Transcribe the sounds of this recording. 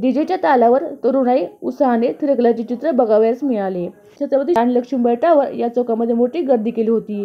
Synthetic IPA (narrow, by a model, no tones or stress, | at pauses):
d̪id͡ʑet͡ɕjat̪alaʋəɾt̪əɾuɽaiut̪saɦanet̪ʰiɾəɡlat͡ɕit͡ɕit̪ɾəbəɡaʋjat͡smiɭale | t̪at͡saməd̪ianləkʂuːmbəjʈaʋəɾjat͡sokaməd̪ʱːjemoʈiːɡəɾd̪ikʰeliɦot̪iː